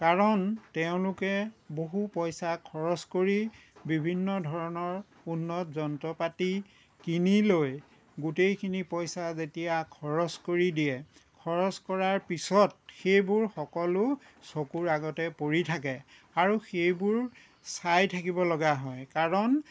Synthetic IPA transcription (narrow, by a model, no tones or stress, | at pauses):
kaɹɔntɛʊ̃lʊkɛboɦupɔjsakʰɔɹɔskoɹibibʱinːɔdʱɔɹɔnɔɹ | unːɔtzɔntɔpati | kiniloj | ɡutejkʰinipɔjsazetijakʰɔɹɔskoɹidijɛkʰɔɹɔskɔɹaɹpisɔt̚xejbʊɹxɔkɔlʊ | sokuɹaɡɔtɛpoɹitʰak̬ɛ | aɹuxejbʊɹ | sajtʰakibɔlɔɡaɦɔjkaɹɔn